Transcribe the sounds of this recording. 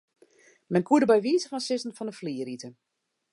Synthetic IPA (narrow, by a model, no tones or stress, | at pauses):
mɛnkʰuədəbɛjʋiəzəfɔnsɪsən̩fɔndəfliːəɾitə